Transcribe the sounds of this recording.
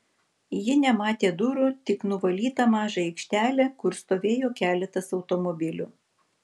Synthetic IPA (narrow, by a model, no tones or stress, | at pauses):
jɪnʲɛmɑːt̪ʲeːd̪ʊɾʊt̪ʲɪknʊʋɐlʲiːt̪ɐmɑːʒɐɛɪkʃʲt̪ʲæːlʲɛkʊɾst̪oːʋʲeːjoːkʲæːlʲɛt̪ɐsɒʊt̪ɔmɔbʲɪlʲʊːˑ